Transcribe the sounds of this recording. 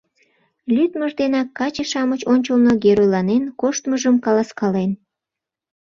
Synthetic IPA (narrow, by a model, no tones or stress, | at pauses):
lʲyt̪məʒd̪enɑkːɑt͡ɕeʃɑmət͡ɕonʲt͡ɕəlnoɡeɾojlɑnenkoʃt̪məʒəmkɑlɑskɑlen